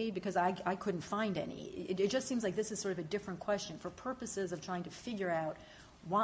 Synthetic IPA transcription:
ɪbɨkʰʌzaɪaɪkʰʊdⁿn̩tfãɪ̃ndɛ̰nḭɪtɾɨt̚d̥ʒ̥ʌstsĩmzlaɪk̚ðɪsɨz̥sɔɹɾʌvɨdɪfɹɨ̃nkʰw̥ɛst͡ʃɨ̃nfə˞pʰɜ˞pɨsɪzʌv̥tʰɹ̥aɪɪ̃ŋtʰɨfɪɡjə˞aʊt̚ | wa

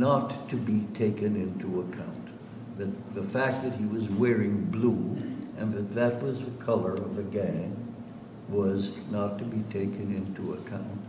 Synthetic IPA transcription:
nətʰɨbitʰeɪkɨ̃nɪ̃ntʰuəkʰã̰ʊ̃n | ðɨt̪̚ðɨfæk̚ðɨt̚hiwʌzwɛɹɪ̃ŋbluʔɨ̃nðɨt̪̚ðɨt̚wʌzðɨkʰʌlˠə˞ʌvɨɡæ̃ŋ | wʌznətʰɨbitʰeɪkɨ̃nɪ̃ntuə̰kʰãʊ̃nt̚

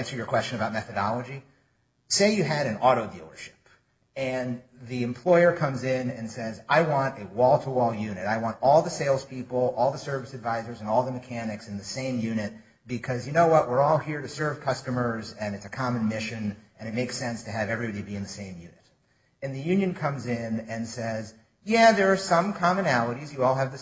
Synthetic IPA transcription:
æ̃nsə˞jə˞kʰw̥ɛst͡ʃɨ̃nɨbaʊt̚mɛθɨɾɑlˠəd͡ʒi | seɪjɨɨɾɨ̃nɔɾoʊdḭlˠə̰˞ʃɪ̥p | ɨ̃nðiɨ̃mpʰl̥ɔɪə˞kʰʌ̃mzɪ̃nɨ̰̃nsɛzaɪwɑ̃ntɨwɔlˠtʰəɔlˠjʉnɨɾaɪwɑ̃ntɔlˠðəseɪlˠz̥pipl̩ˠɔlˠðəsɜ˞vɨsɨdvaɪzə˞zɨ̃nɔlˠðəmɨkʰænɨksɨ̃nðɨsẽɪ̃mjʉnɨt̚ | b̥ɨkʰʌzjɨnoʊwʌʔ̚wɪɹɔlˠhiɹɾɨsɜ˞v̥kʰʌstɨmə˞zɨ̃nɨtsɨkʰɑmɨ̃nmɪʃɨ̃nɨ̃ɾ̃ɨt̚meɪksɛ̃nstʰɨɨvɛvɹibɑɾiɾɨbiɨ̃nðɨsẽɪ̃mjʉnɨɾ | ɨ̃nðɨjʉ̃njɨ̃nkʰʌ̃mzɪ̃nɨ̃nsɛz | jæðə˞ːsʌ̃mkʰɑmɨnælˠəɾizjɨɔlˠɨvðɨ

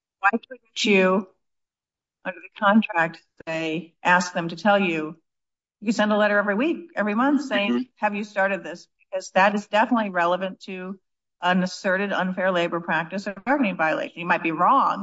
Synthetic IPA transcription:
waɪʃʊdⁿn̩t͡ʃɨ | ʔʌ̃ndə˞ðɨkʰɑ̃ntʰɹ̥æk̚t̪̚ðeɪʔæsk̚ðɨ̃mtɨtʰɛlˠjʉ | jɨkɨ̥̃sɛ̃ndəlɛɾə˞ɛvɹiwikɛvɹimʌ̃nθseɪɪ̃ŋhɨvjɨstɑɹɾɨd̪̚ðɪsb̥ɨk̚ʰʌzðɨɾɨzdɛfənətˡliɹɛlˠəvɨ̃ntʰɨ | ʔə̃nɨsɜ˞ɾɨɾʌ̰̃nfɛɹleɪbə˞pʰɹ̥æk̚tɨsə˞ɡɑɹɡnɪ̃ŋvaɪɨlḛɪʃnɨt̚maɪt̚b̥iɹɔ̃ŋ

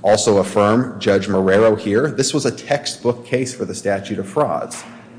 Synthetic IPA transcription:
ɔlˠsoʊəfɜ̃˞md͡ʒʌd͡ʒmə˞ɛɹoʊhiɹðɪswʌzɨtʰɛkst̚b̥ʊkʰːeɪsfə˞ðɨstæt͡ʃʉɾʌv̥fɹɑ̰dz̥

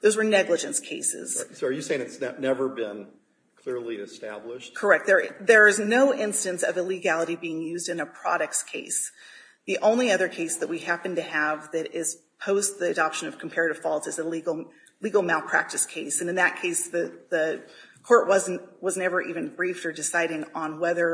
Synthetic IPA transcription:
ðoʊzwə˞nɛɡləd͡ʒɨ̃nskʰeɪsɪ̰z̥soʊ˞jɨseɪɪ̃ŋɨtsɛnɛvə˞bɪ̃n | kʰl̥ɪɹlˠiɨstæ̰blɪʃt̚kʰə˞ɛk̚t̚ðə˞ðə˞ɨznoʊʔɪ̃nstɨ̃nsʌvɨliɡælˠəɾibiɪ̃ŋjʉzdɨ̃nɨpʰɹ̥ɑɾɨk̚skʰeɪs | ðiʔõʊ̃nliʌðə˞kʰeɪsðɨʔ̚wihæpn̩tɨəvðɨɾɪz̥ | pʰoʊzðiɨdɑpʃɨ̃nʌv̥kʰm̩pʰɛɹɨɾɨv̥fɔlˠtsɨzɨliɡl̩ˠ | liɡl̩ˠmeɪlˠpʰɹ̥æ̰k̚tɨskʰeɪsɨ̃nɨ̃nðɨt̚kʰeɪsðɨðɨkʰɔɹʔwʌz̃n̩twʌznɛvə˞ʔivɨ̃nbɹiftə˞dɨsaɪɾɪ̃ŋə̃nwɛðə˞

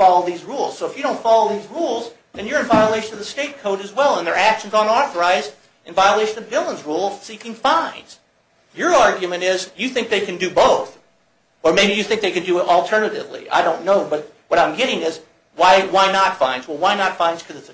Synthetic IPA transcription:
fɑlˠoʊðizɹulˠz̥soʊəfjɨɾõʊ̃ntfɑlˠoʊðizɹulˠzðɨ̃njə˞ɨ̃ɱvaɪəleɪʃɨ̃nʌvðɨsteɪt̚kʰoʊɾɨzwɛlˠə̃nðə˞ækʃn̩zn̩ɔθə˞aɪz | ɨ̃ɱvaɪəleɪʃɨ̃nʌvbɪlˠə̃nzɹulˠz̥sikɪ̃ŋfãɪ̃nz̥ | jə˞ɑɹɡjɨmɨ̃ñɪzjɨθɪ̃ŋk̚ðeɪkʰɨ̃ndɨboʊθ | ə˞meɪbijɨθɪ̃ŋk̚ðeɪkɨ̃ndɨɪɾl̩ˠtʰɜ˞nɨɾɪ̰vlḭʔa̰ɪɾõʊ̃nːoʊbʌt̚ | wʌɾãɪ̃mɡɛɾɪ̃ŋɪz | waɪwaɪnətfãɪ̃nzwɛlˠwaɪnətfãɪ̃nz̥kʰʌzɨts

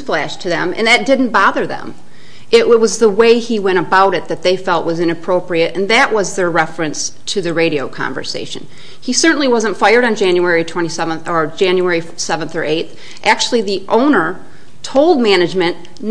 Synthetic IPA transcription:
flæʃtʰɨðɨ̰̃mɨ̰̃nðɨt̚d̥ɪdⁿn̩b̥ɑðə˞ðə̰̃m | ʔɪʔwʌt̚wʌzðəweɪiwɛ̃ɾ̃ɨbaʊɾɨt̪̚ðɨt̪̚ðeɪfɛlˠtʔwʔʌzɨ̃ñɨpʰɹ̥oʊpɹiɨɾɨ̃nðɨʔwʔʌzðə˞ɹɛfɹɨ̃nstʰɨðɨɹeɪɾioʊkʰɑ̰̃ɱvə̰˞sḛɪʃɨ̰̃n | isɜ˞ʔn̩liwʌzə̃n̩tfaɪə˞ɾn̩d͡ʒæ̃njʉɛɹitʰw̥ɛ̃ɾ̃isɛṽn̩θə˞d͡ʒæ̃njʉɛɹi | sɛvə̃nθə˞ʔeɪt̪θ | ʔæk̚t͡ʃʉl̩ˠiðiʔõʊ̃nə˞ | tʰoʊlˠd̚mæñɨd͡ʒmɨ̃n

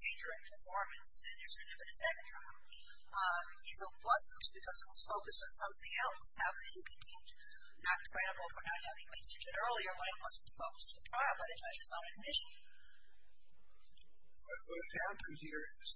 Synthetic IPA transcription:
d̥ʰẽɪ̃ndə˞ɛk̚pʰə˞fɔɹmɨ̃nsðɨ̃nðə˞sɨ̃nɨbɨ̃nɨsɛkn̩tʰɹ̥aɪlˠ | jɨnʊt̚wʌz̃n̩tb̥ɨkʰʌzɨt̚wʌz̥foʊkɨstn̩sʌ̃mθɪ̃ŋɛlˠshaʊkɨ̃ | bɨkʰẽɪ̃m | nət̚kʰɹ̥ɛɾəbl̩ˠfə˞nət̚hævɪ̃ŋmɛ̃nsɨ̃nd͡ʒɨɾɜ˞lˠiə˞wʌ̃ɾɨt̚wʌzn̩əfoʊkɨsʌðətʰɹ̥aɪlˠbʌɾɨtsʌd͡ʒʌsɾɨd̚mɪʃɨ̃n | wʌt̚wʌɾɨt̚hæpɨ̃nhiɹ | z̥

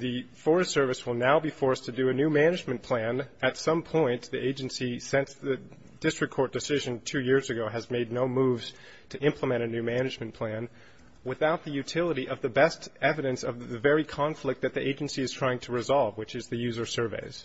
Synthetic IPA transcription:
ðɨfɔɹɨssɜ˞vɨswəlˠnaʊbifɔɹstʰɨdɨɨnʉmænɨd͡ʒmɨ̃npʰl̥æ̃nɨtsʌ̃mpʰɔ̃ɪ̃nðiʔeɪd͡ʒɨ̃n̩sisɪ̃nsðɨ | d̥ɪstɹ̥ɨkʰɔɹt̚d̥ɨsɪʒɨ̃ntʰʉjɪɹzɨɡoʊɨzmeɪdⁿnoʊmuvz̥ | tʰɨʔɪ̃mpʰləmɛ̃ɾ̃ɨnʉmænɨd͡ʒmɨ̃n̩pʰl̥æ̃n | wɨθaʊt̪̚ðɨjʉtʰɪlˠəɾiʔʌvðɨbɛstɛvɨɾɨ̃nsʌvɨvɛɹikʰɑ̃ɱflɨk̪̚ðɨt̪̚ðiʔeɪd͡ʒɨ̃n̩siɨz̥tʰɹ̥aɪɪ̃ŋtʰəɹɨzɑlˠvwɨt͡ʃɨzðɨjʉzə˞sɜ˞vḛɪz̥

